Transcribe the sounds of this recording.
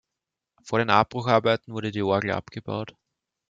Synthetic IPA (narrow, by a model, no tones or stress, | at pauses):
foːɐɾeːnʔap̚b̥ʁʊxaɐbæɪtn̩vʊɐɾədiːɔɐɡl̩ʔa̰pɡ̥əba̰ʊt